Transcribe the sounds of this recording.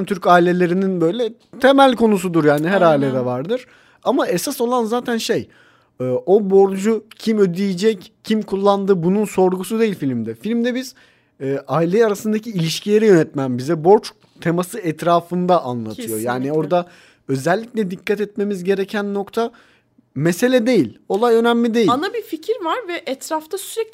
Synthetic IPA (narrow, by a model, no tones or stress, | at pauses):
mt̪ʰyɾcaːilʲe̞lʲe̞ɾininbø̞jlʲɛt̪ʰe̞mælʲkʰo̞nusud̪uɾjaːniɦæɾaːilʲɛd̪ɛvaɾd̪ɯɾ̥ | amaesaso̞lˠanzaːt̪ʰænʃej | ɯːʔo̞bo̞ɾd͡ʒucʰimød̪ijed͡ʒɛccʰimkʰulˠːand̪ɯːbununso̞ɾɡusud̪e̞jilʲfilʲmd̪ɛfilʲmd̪ɛbiz̥ | ɛːʔailʲeaɾasɯnd̪acʰiːlʲiʃcʰilʲe̞ɾɛjø̞nɛt̪mæmbizɛbo̞ɾt͡ʃ | t̪ʰe̞masɯɛt̪ɾaːfɯnd̪aʔanlˠa̰t̪ʰɯjo̞̰jaːnio̞ɾd̪a | ø̞zɛlʲːicʲlʲɛd̪ikʰːat̪ɛt̪̚me̞mizɟe̞ɾecʰænːo̞kt̪ʰa | mese̞lʲɛd̪e̞jilʲo̞lˠajønæmlʲid̪e̞jianabificʰiɾvaɾvɛʔɛt̪ɾaft̪ʰasyɾɛc̚